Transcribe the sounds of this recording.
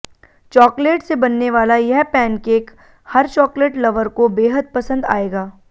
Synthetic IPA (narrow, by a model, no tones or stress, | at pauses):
t͡ʃɔːkleːʈsebɐnːeʋaːlajɛɦpɛ̃ːnkeːk | hɐɾt͡ʃɔːkleːʈlɐʋəɾkobeːɦəd̪̚pɐsə̃nd̪a̰ːeːɡaː